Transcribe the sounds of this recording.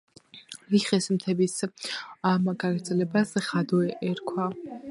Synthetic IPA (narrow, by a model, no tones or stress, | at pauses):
liχɛsmt̪ʰɛbis | amɡaɡɾd̪zɛlɛbasχad̪ɔɛʔɛɾkʰwa